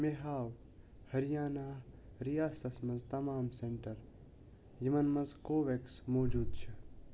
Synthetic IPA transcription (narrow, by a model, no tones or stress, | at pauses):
meɦaːw | hɐɾijaːnaːɾijaːsɐsmɐzt̪ɐmaːmseɳʈɐɾ | jimɐnmɐzkoːʋeksmoːd͡ʒuːd̪̚t͡ʃʰɐ